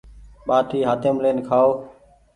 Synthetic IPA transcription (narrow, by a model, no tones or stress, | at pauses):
ɓaːʈʰiːɦaːt̪eːmleːnkʰaːoː